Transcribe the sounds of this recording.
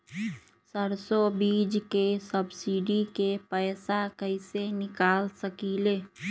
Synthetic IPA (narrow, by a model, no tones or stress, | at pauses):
səɾsobiːd͡ʒkesəbsiɖikepəɪsakəɪsenɪkaːlsəkileː